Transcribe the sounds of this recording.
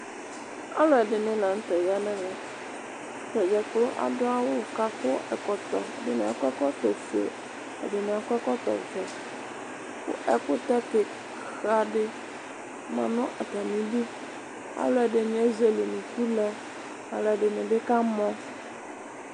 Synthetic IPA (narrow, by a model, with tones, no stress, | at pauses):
a̰˦lɔ˨ɛ˨ɖɪ˨nɪ̃˨la˨ŋ̩˦t̪ɛ˨ja˦nɛ̃˦ŋɛ̃˨ | tɛ˨d͡ʒɛ˨klo˦ʔa̰˨do˦a˦wo˦˨ka˦ko˦ɛ˨kɔ˨t̪ɔ˨dɪ˦nẽ˨a˨kɛ˦kɔ˦t̪ɔ˨fḛ˨ | ḛ˨ɖɪ˨nẽ˨a˨kɔ˦ɛ˦kɔ˦t̪ɔ̰˨vɛ˨ | kṵ˦ʔɛ˨kʊ˦t̪ɛ˦ke˨ | xa˨ɖɪ˦ | mã̰˨nʊ̃˦ʔa˨t̪a˨nĩ˨bi˦ | a̰˦lɔ˨ɛ˨ɖɪ˨ɲ̃˨˦ɛ˦ze˨le˨nũ˨ku˦lɛ˦ | a̰˨lɔ˨ɛ˨ɖɪ˨nẽ˨ɖɪ˦ka˦mɔ̃˦